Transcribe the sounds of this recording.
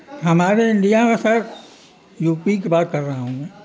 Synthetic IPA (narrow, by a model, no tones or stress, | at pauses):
ɦɐmaːɾeɪ̃ɳɖijamesɐɾ | juːpikebaːt̪̚kɐɾːɐɦaɦũẽː